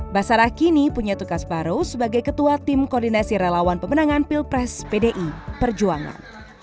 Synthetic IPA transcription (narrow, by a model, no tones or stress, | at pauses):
basaɾahkinipuɲat̪ukasbaɾosəbaɡajkət̪uat̪imkɔrdinasiɾelawanpəmənaŋanpilpɾɛspedeʔipərd͡ʒuaŋa̰n